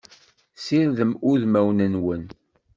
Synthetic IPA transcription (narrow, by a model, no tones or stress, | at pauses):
siɾðəmʊðmæwnənwən